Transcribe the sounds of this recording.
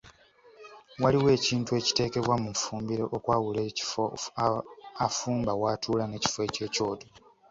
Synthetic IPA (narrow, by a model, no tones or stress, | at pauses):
waliwe̞ːciːntue̞ːci̥te̞ːke̞βwamuɱfuːmbiɾo̞ʔokwaːwule | afuːmbawaːtʰuːlane̞ːci̥foe̞ːce̞ːco̞ːdo